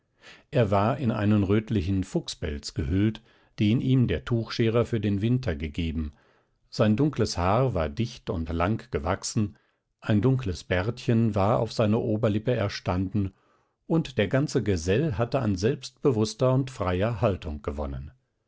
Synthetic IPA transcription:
ʔeːɐvaːɐʔɪnʔa̰ɪnənʁøːtlɪçn̩fʊksb̥ɛ̰lt͡sɡ̥əɦʏlt | d̥eːniːmdeːɐtʰuːxʃeːʁɐfyːɐdeːnvɪntʰɐɡəɡeːbm̩ | z̥aɪndʊŋkləshaːɐvaːɐdɪçtʊntlaŋkɡ̥əvaksn̩ | ʔaɪndʊŋkləsb̥ɛɐtçənvaːɐa̰ʊfz̥aɪnəʔoːbɐlɪpəɛɐʃtandn̩ | ʔʊntd̥eːɐɡant͡səɡəzɛlɦatəa̰nzɛlpst̚b̥əvʊstɐʊntfʁ̥aɪɐhaltʰʊŋɡ̥əvɔ̰nə̰n

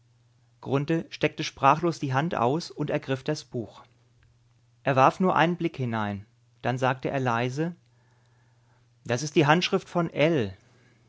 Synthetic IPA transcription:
ɡ̥ʁʊntəʃtɛk̚təʃpʁ̥aːχloːsd̥iːɦantʔa̰ʊsʊntɛɐɡʁɪfd̥asb̥uːx | ʔeːɐvaɐfnuːɐʔa̰ɪnənblɪkhɪnaɪn | d̥anzaːktəʔḛːɐlaɪzə | d̥asɪst̚d̥iːɦantʃʁ̥ɪftfɔnʔɛl

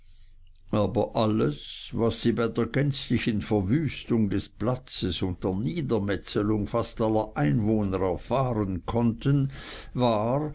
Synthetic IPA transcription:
ʔaːbɐʔaləsvasːiːbaɪdeːɐɡɛnt͡slɪçənfɛɐvyːstʊŋdesplat͡səsʊnt̚d̥eːɐniːdɐmɛt͡səlʊŋfastalːɐʔaɪnvoːnəʁɛɐfaːʁənkʰɔntʰənvaːʁ

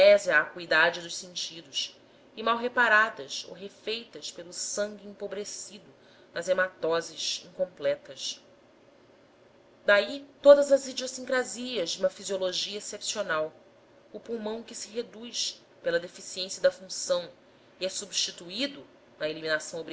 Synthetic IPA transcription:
ɛzɪaːkuid̪ad͡ʒɪd̪ʊʃsẽnt͡ʃid̪ʊʃ | ɪmawɦepaɾad̪ɐso̰wɦefejt̪ɐʃpelʊsɐ̃ŋɡʲiĩmpobɾesid̪ʊ | nɐzemat̪ɔzɪʃĩŋkõmplɛt̪ɐʃ | d̪ait̪od̪ɐzɐzid͡ʒosĩŋkɾaziɐzd͡ʒɪũmɐfizioloʒiɐesepsionaw | ʊpuwmɐ̃w̃kɪsɪɦed̪ujʃ | pelɐd̪efisiẽsiɐd̪ɐfũsɐ̃w̃ | iɛsubʃt͡ʃit̪uid̪ʊ | nɐeliminasɐ̃w̃obɾi

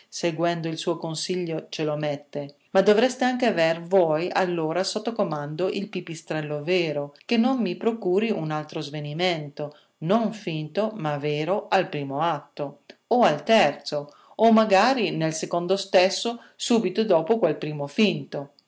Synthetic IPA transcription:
seɡwɛnd̪oilsuːokonsiʎːot͡ʃelomɛt̪ːe | mad̪ːovɾɛst̪eaŋk̟eavervɔjalːoːɾasot̪ːokomand̪oʔilpipist̪ɾɛlːoveːɾok̟enːommipɾokuːɾiunalt̪ɾozvenimɛnt̪o | noɱfint̪omaveːɾoalpɾiːmoat̪ːooalt̪ɛrt̪soː | mːaɡaːɾinelsekond̪ost̪esːo | suːbit̪od̪ɔːpokwelpɾiːmofint̪o

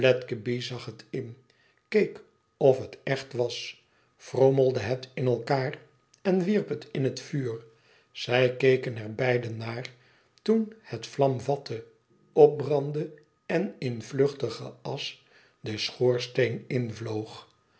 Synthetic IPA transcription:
blɛtkəbizɑχətɪn | kejk | ɔfɦətɛχtʋɑs | froməlˠdəɦətɪnɛlˠkaːr | ɛnʋirpətɪnɦətfyːr | z̥ɛjkejkənɛɹbɛjdənaːr | tunətflɑmvɑtʰə | ɔp̚brɑndə | ɛnɪnvløχtəχə̰ɑs | dəsχoːɹstejnɪnvlowχ

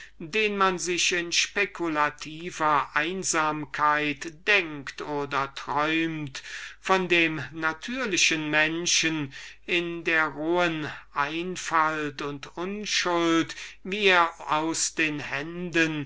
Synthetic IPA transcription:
deːnmanzɪʃɪnʃpekʰulatʰiːvɐʔaɪnzaːmkʰaɪtd̥ɛŋktoːdɐtʁ̥ɔʏmtfɔndeːmnatʰyːɐlɪʃənmɛnʃənɪndeːɐʁoːənʔaɪnfaltʊntʊnʃʊltviːeːɐaʊsd̥eːnhɛndən

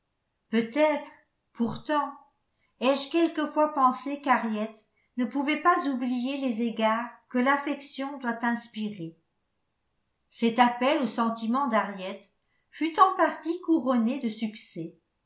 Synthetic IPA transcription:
pøt̪ɛt̪χ | puʁt̪ɑ̃ | ɛʒkʲɛlkəfwapɑ̃sekaʁjɛt̪ | nəpuvɛpazublijelezeɡaːʁkəlafɛksjɔ̃d̪wat̪ɛ̃spiʁe | sɛt̪apɛlosɑ̃t̪imɑ̃d̪aʁjɛt̪ | fyt̪ɑ̃paʁt̪ikuʁɔned̪əsyksɛ

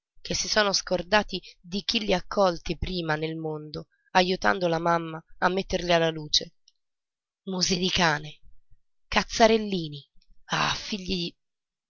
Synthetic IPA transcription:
kʰesːisɔːnoskord̪aːt̪id̪ik̟ilːiakʰːɔlt̪ipɾiːmanelmond̪o | ajut̪a̰nd̪olamamːaamːet̪ːerʎialːaluːt͡ʃe | muzid̪ikaːne | kat̪sːaɾelːiːnia̰fiʎːii

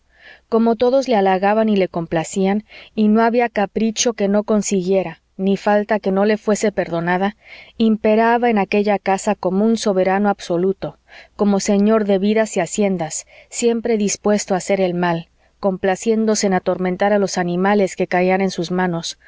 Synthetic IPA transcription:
ko̞mo̞t̪o̞ðo̞zlealaɣaβanile̞ko̞mplasianino̞aβiakapɾit͡ʃo̞ke̞no̞ko̞nsiɣje̞ɾa | nifalt̪ake̞no̞le̞fwe̞se̞pe̞ɾðo̞naðaimpe̞ɾaβae̞nake̞ʝakasako̞mounso̞βe̞ɾano̞abso̞lut̪o̞ | ko̞mo̞se̞ɲo̞ɾðe̞βiðasiasje̞nd̪asːje̞mpɾe̞ðispwe̞st̪oase̞ɾe̞lmal | ko̞mplasje̞nd̪o̞se̞ːnat̪o̞ɾment̪aɾalo̞sanĩmale̞ske̞kaiane̞nsuzmãno̞s

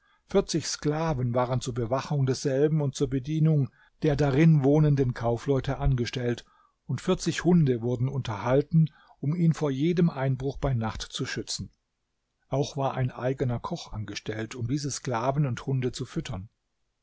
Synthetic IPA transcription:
fɪɐt͡sɪçsklaːvənvaːʁənt͡suːɐbəvaχʊŋdɛsz̥ɛlbm̩ʊnt̚t͡suːɐbədiːnʊŋ | d̥eːɐdaʁɪnvoːnəndənkʰaʊflɔʏtəʔanɡəʃtɛlt | ʊntfɪɐt͡sɪçhʊndəvʊɐdn̩ʊntɐhaltn̩ | ʔʊmiːnfoːɐjeːdəmʔaɪnbʁʊχb̥aɪnaχtt͡suʃʏt͡sn̩ | ʔaʊxv̥aːɐʔa̰ɪnʔa̰ɪɡənɐkʰɔχʔa̰nɡəʃtɛltʰʊmdiːzəskl̥aːvən̩ʊnthʊndət͡sufʏtʰɐn

